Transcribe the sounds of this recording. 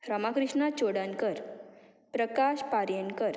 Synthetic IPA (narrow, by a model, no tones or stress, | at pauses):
ɾəmakɾiʂɳat͡ɕoɽaŋkəɾ | pɾəkaɕpaɾjənkəɾ